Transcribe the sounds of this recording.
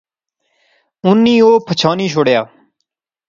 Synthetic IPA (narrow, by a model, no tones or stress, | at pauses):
ʊnːĩːoːpʰət͡ʃʰaːniːʃ̬ʰoɽjaː